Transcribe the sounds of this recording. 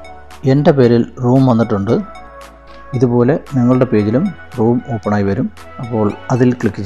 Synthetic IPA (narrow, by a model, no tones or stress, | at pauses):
e̞ndepe̞ːɾilruːmʋɐnːiʈːuɳɖɨ | iðupo̞ːle̞niŋːɐɭuɽe̞peːɣilum | ruːmo̞ːpːɐɳaːjiʋɐɾum | ɐpːo̞ːɭɐðilkɭikːit͡ɕː